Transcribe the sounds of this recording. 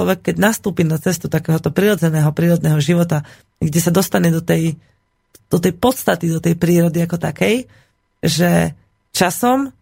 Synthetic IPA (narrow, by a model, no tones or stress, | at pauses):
ɔʋɛkːɛɟnast̪uːpiːnat͡sɛst̪ut̪akɛːɦɔt̪ɔpɾiɾɔd͡zɛnɛːɦɔpɾiːɾɔd̪nɛːɦɔʒiʋɔt̪a | ɡɟɛsad̪ɔst̪aɲɛd̪ɔt̪ɛj | d̪̥ɔt̪ɛjpɔt̪st̪at̪id̪ɔt̪ɛjpɾiːɾɔd̪iakɔt̪akɛj | ʒɛ | t͡ʃasɔm